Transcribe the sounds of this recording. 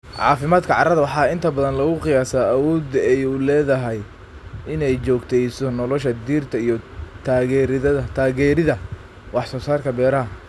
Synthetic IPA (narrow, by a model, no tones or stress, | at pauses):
ʕɑ̰ːfɪmaːd̪kʰɐʕɑ̰ɾɐðɐwɑħɑːɪnt̪ʰɐbɐðɐnlɐɣʊqɪjaːsaːɐwɔːd̪ɛjuːlɛːðɐɦɛj | ɪnɛjt͡ʃɔːɡt̪ʰɛjsɔnɔlɔʃɐd̪iːrt̪ʰɐijɔt̪ʰaːɣɛːɾɪðɐðɐt̪ʰaːɣɛːɾɪðɐ | wɑħsɔːsaːrkʰɐbɛːɾɐɦɐ